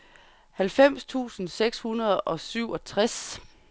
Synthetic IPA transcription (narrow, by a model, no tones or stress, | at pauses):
hælfem̰st͡sʰṵːsn̩seɡ̥shunɐð̞ˠɒ̽syʊ̰ʔɒ̽t͡sʰʁas